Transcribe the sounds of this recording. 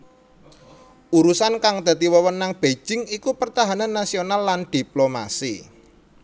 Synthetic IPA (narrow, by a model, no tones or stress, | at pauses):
ʔuɾusankaŋd̪̥a̤t̪iwɔwənːaŋb̥e̥d͡ʒ̥ɪŋikupərt̪aɦananːasionalːand̪̥i̤ploma̰sḭ